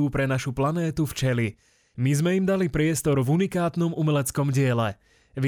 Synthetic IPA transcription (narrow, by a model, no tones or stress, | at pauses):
upɾɛnaʃuplanɛːt̪uft͡ʃɛli | mizmɛimd̪alipɾɪɛst̪ɔɾvunikaːt̪nɔmumɛlɛt͡skɔmɟɪɛlɛ | ʋɪ